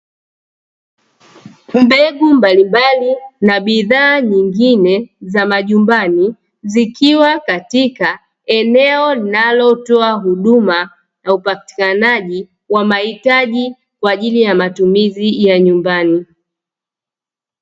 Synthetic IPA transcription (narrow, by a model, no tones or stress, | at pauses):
mbɛɠumbalimbalinaɓiðaːɲiŋɡinɛzamaʄumbani | zikiwakatika | ɛnɛɔlinalɔtɔaɦuɗuma | naupati̥kanaʄi | wamahitaʄi | kwaːʄilijamatumizijaɲumbani